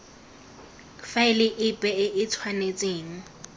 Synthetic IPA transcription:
faɪlɪʔɪpʼɛɪʔɪt͡sʰwanet͡sʼeːŋ̩

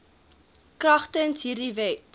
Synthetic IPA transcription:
krɐχtənsɦiːrdivɛt

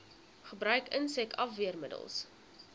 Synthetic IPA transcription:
χəbɾœɥkənsɛkɐfviərmədə̰lˠs

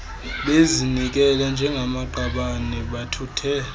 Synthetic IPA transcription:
ɓezinik̬ɛland͡ʒʱɛŋɡʱamaɡ͡ǃʱaɓanɛɓatʰutʰɛːl

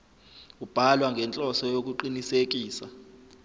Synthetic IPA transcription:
kub̥ʱalwaŋɡʱɛnt͡ɬʼɔsɔjok̬uǃinisek̬iːsa

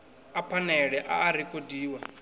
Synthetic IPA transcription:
apʰanɛɺɛʔa̰ːɾikʼodiːwa

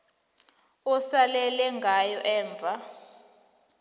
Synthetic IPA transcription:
ɔsalɛlɛŋɡʱajɔʔɛːɱb̪vʱa

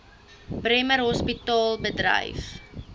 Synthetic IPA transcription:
brɛmərɦɔspitɑːlˠbədrə̰jf

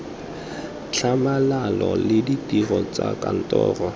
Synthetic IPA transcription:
t͡ɬʰamalalɔlɪditʼirɔt͡sakʼan̩tʼɔːrɔ

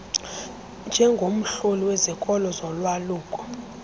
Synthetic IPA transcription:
nd͡ʒʱɛŋɡʱom̩ɬoliwɛzikʼɔlɔzɔlwaluːkʼɔ̥

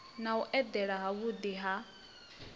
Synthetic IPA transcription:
nauʔɛd̪ɛɺaɦaβud̪iɦa

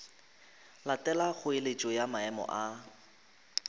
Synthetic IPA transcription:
latʼɛlaχʊelet͡ʃʼɔjamaɛmɔ̰ʔa

